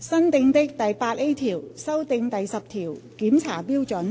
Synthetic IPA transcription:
sɐ˥nt̪ɪ˧ŋt̪ɪ˥k̚t̪ɐ˨jpaː˧t̚ʔe˥jt̪ʰiː˨˩wsɐ˥wt̪ɪ˧ŋt̪ɐ˨jsɐ˨p̚t̪ʰiː˨˩wkiː˨˥mt͡sʰa̰ː˨˩piː˥wt͡sɵ˨˥n

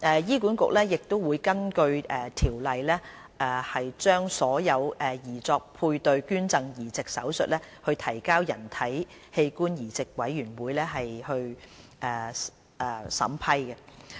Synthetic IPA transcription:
ʔɛː˨jiː˥kuː˨˥nkʊ̰˨k̚lɛː˥jɪ˨k̚t̪o˥wuː˨˧jkɐ˥nkɵ˧ɥɛː˨t̪ʰiː˨˩wlɐ˨jlɛː˥ | ʔɛː˨˩hɐ˨jt͡ʃœː˥ŋsɔː˨˥jɐ˨˧wʔɛː˨˩jiː˨˩t͡sɔː˧k̚pʰuː˧jt̪ɵ˨˧ɥkyː˥nt͡sɐ˧ŋjiː˨˩t͡sɪ˨k̚sɐ̰˨˥wsɵ̰˨t̚lɛː˥hɵ˧ɥt̪ʰɐ˨˩jkaː˥wjɐ˨˩nt̪ʰɐ˨˥j | he˧jkuː˥njiː˨˩t͡sɪ˨k̚wɐ˨˥jːyː˨˩nwuː˨˧jlɛː˥ɦɐ˨jhɵ˧ɥʔɛː˨˩ | ɛ˨˩sɐ̰˨˥mpʰɐ˥jkɛ˧

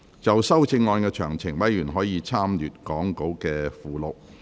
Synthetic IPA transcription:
t͡sɐ˨wsɐ˥wt͡sʰɪ˧ŋːɔː˧nkɛː˧t͡ʃʰœ̰ː˨˩ŋt͡sʰɪ˨˩ŋwɐ˨˥jjyː˨˩nɦɔː˨˥jiː˨˧t͡sʰaː˥mjyː˨t̚kɔː˨˥ŋko˨˥wkɛː˧fuː˨lo˨w̚

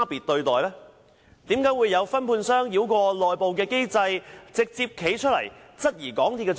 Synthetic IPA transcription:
piː˨t̚t̪ɵ˧ɥt̪ɔː˨jlɛː˥ | t̪iː˨˥mkaː˨˥jwuː˨˧jːɐ˨˧wfɐ˥npʰuː˧nsœː˥ŋji˨˧wkʷɔː˧lɔː˨jpo˨wkɛː˧ke˥jt͡sɐ˧jt͡sɪ˨k̚t͡siː˧p̚kʰe˨˥jt͡ʃʰɵ˥t̚lɐ̰˨˩jt͡sɐ˥t̚jiː˨˩kɔː˨˥ŋt̪ʰiː˧tkːɛː˧

